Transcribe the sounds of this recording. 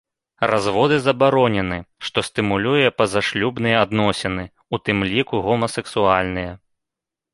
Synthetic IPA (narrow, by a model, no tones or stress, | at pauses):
razvɔd̪ɨzɐbaɾɔnʲɛnɨʂt̪ɔst̪ɨmulʲujɛpɐzaʂlʲubnɨjɛad̪nɔsʲɛnɨ | ut̪ɨmlʲikuɣɔmɐsɛksualʲnɨjɛ